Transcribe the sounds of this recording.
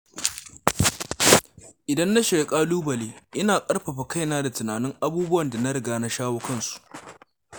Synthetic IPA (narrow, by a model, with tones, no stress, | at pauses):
ʔɪ˨dɐ˦nːa˦ʃe˨kʼaː˦luː˦bɐ˨leː˦ʔɪ˦naː˨kʼɐ˦ɽɸɐ˨ɸa˨ka˦jnaː˦da˨tʊ˨naː˨nɪ˦ŋʔa˦buː˦bʊ˦wɐ˨nda˨na˦ɾɪ˨ɡaː˨na˦ʃaː˦woː˦kɐ˦nsu̥˨ʔ